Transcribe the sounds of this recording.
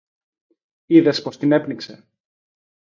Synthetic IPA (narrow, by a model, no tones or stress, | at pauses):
iðe̞spo̞st̪ine̞pnikse